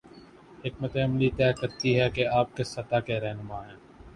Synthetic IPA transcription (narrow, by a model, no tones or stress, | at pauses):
ɦɪk̚mət̪eɐmlit̪ɛːkɐɾt̪iɦɛkeaːp̚kesɐt̪aːkeɾɛɦnʊmaːɦɛ̃ː